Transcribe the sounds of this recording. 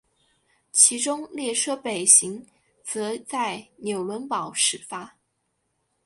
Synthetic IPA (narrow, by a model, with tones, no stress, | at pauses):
t͡ɕʰi˧˥ʈ͡ʂʊ˥ŋljɛ˥˩ʈ͡ʂʰɤ˥pe˨˩ɪɕi˧˥ŋ | t͡sɤ˧˥t͡sa˥˩ɪnjo˨˩ʊlwə˧˥npɑ˨˩˦ʊʂɻ̩˨˩fa˥